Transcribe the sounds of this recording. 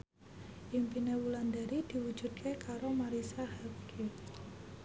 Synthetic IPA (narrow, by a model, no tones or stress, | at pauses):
ʔimpinewuland̪aɾid̪̥i̤wud̥ʒ̥ṳd̪̚kʰekaɾomaɾisahɛpkʰi